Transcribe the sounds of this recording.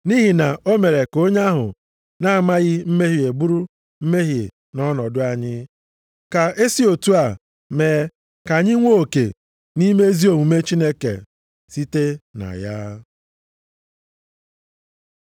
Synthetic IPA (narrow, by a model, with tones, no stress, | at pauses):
ni˦ɦi˨na˨o˦me˨ɾe˨ko˦ɲa˦ɦʊ̰˨ | na˦a˨ma˦ɣɪ˦m̩˦me˦ɦi˨e˨bu˦ɾu˦ | m̩˦me˦ɦi˨e˨ | nɔ˦nɔ˨dʊ˦a˨ɲɪ˦ | ka˨e˦si˦o˨tu˦a˨ | meː˨ | ka˨ɲɪ˦ŋʷo˦o˨kḛ˨ | ni˦me˦zi˦o˨ŋu˨me˦t͡ʃi˦ne˦kḛ˨ | si˦te˦na̰˨ja˦